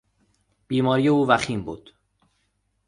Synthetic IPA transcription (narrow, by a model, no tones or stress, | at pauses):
b̥iːmɒːɾijeuːvæxiːmbṵːd̪̥